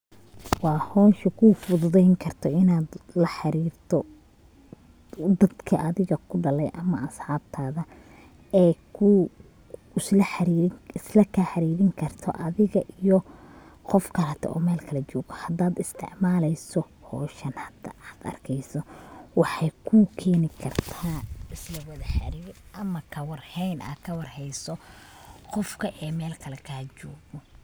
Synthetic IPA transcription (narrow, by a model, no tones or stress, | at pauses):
wɑːhɔːnʃɐkʰʊfʊðʊðɛjŋkʰɐrt̪ʰɔɪnaːd̪lɐħɑɾiːrt̪ʰɔ | d̪ɐd̪kʰɐʔɐðɪɣɐkʰʊɖɐlɛjʔɐmɐɐsħɑːb̚t̪ʰaːðɐ | ɛːkʰʊ | ʊslɐħɑɾiɾɪɪslɐkʰaːħɑɾiːɾɪŋkʰɐrt̪ʰɔ̰ʔɐðɪɣɐʔijɔ | qɔfkʰɐɾɐt̪ʰɔ̰ʔɔːmɛːlkʰɐlɐt͡ʃɔːɣɔhɐd̪aːd̪ɪst̪ʰɪ̰ʕmaːlɛjsɔ | hɔːʃɐnhɐd̪ɐaːd̪̥ɐ̰rkʰɛjsɔwɑħɑjkʰukʰɛːnɪkʰɐrt̪ʰaːɪslɐwɐðɐħa̰ɾiːɾɪɐmɐkʰɐwɑrhɛjnʔa̰ːd̪kʰɐwɑrhɛjsɔ | qɔfkʰɐʔɛːmɛːlkʰɐlɛkʰaːt͡ʃɔːɣɡɔ